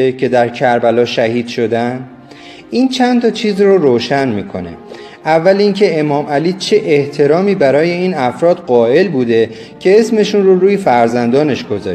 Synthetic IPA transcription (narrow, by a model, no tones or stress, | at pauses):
ecʰe̞d̪æɾcʰæɾbælɒːʃæhiːd̪̥ʃo̞d̪æn | ʔiːnt͡ʃʰænt̪ʰɒt͡ʃʰiːzroɾoːʃænmiːkʰo̞̰ne̞̰ | ʔævːæliːŋcʰe̞emɒːmæliːt͡ʃʰe̞ʔeht̪ʰe̞ɾɒːmiːbæɾɒːje̞iːnæfɾɒːd̪ɢɒːe̞lbuːd̪e̞ | cʰe̞esme̞ʃunroɾuːjefæɾzænd̪ɒːne̞ʃɡo̞zɒ̰ː